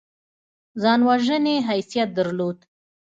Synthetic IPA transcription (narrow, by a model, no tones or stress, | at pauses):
zɑnwaʒəneɦajsijat̪̚d̪əɾlod̪